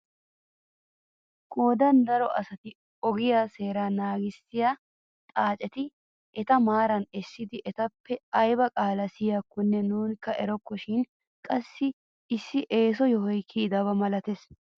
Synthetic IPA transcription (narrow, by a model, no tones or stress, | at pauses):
kʼoːd̪ɐnd̪ɐɾɔʔɐsɐt̪ɪ | ɔɡɪjaːse̞ːɾanaːɡɪsːɪjaː | t̪ʼaːt͡ʃʼɛt̪ɪ | ʔɛt̪ɐmaːɾɐnɛsːɪd̪ɪʔɛt̪ɐpːɛɐjbɐkʼaːlɐsɪjakːʊnːɛnuːnkːɐʔɛɾɔkːɔʃɪn | kʼɐsːɪ | ɪsːɪʔe̞ːs̬ɔjɔɦɔjkʰːid̪ɐβɐmɐlɐt̪ɛs